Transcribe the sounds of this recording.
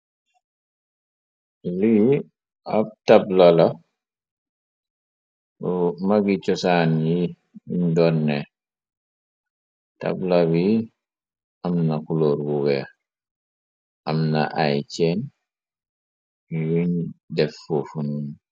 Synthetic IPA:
li | ab̚tablala | maɡit͡ʃɔsanji | indɔnːɛ | ta̰blawi | amnakuloɾɡuɡɛ | ʔamna̰ʔa̰jt͡ʃɛn | iwiɲdɛfːofunun

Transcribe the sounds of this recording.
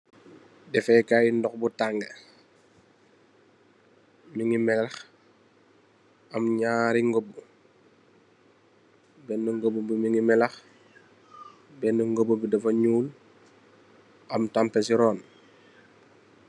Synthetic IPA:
dɛfɛkajindɔxbutaŋɡə | miŋimɛlɐx | ɐmɲaːɾiŋɡobu | bɛnːuŋɡobubimiŋimɛlɐx | bɛnuŋɡobubidɐfɐɲuːl | ɐmtampɛsiɾɔːn

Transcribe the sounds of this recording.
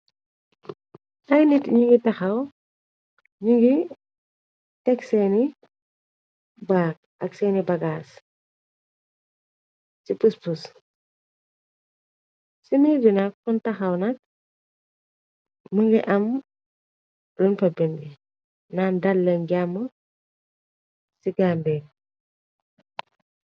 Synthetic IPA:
ʔɐjnitɲuŋɡitɐxɐw | ɲuŋɡi | tɛksɛːni | baːk̚ɐksɛːnibɐɡaːs | sipuspus | simid͡ʒinɐk̚funtɐxɐwnɐk̚ | uŋɡiʔɐm | ɾunpɐbindi | nandɐlːɐŋɡamːɔ | siɡambɛk̚

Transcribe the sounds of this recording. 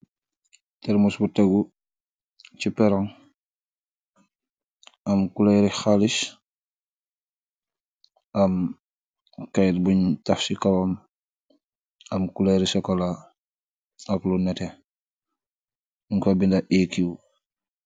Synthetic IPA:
tɛɾmusbutaɡu | t͡ʃipɛɾaŋ | ʔɐmkulɛɾixalis | ʔɐm | kajtbuɲtafsikawam | ɐmkulɛɾisɔkɔla | ɐklunɛtɛ | ŋkɔbindaʔɛkiw

